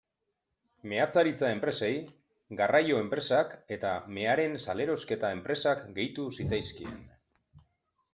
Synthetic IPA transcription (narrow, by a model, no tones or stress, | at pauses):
me̞at͡saɾit͡sae̞mpɾe̞se̞j | ɡarajo̞e̞mpɾe̞sake̞t̪ame̞aɾe̞nsale̞ɾo̞ske̞t̪ae̞mpɾe̞sakɡe̞jt̪usit͡sajskiḛn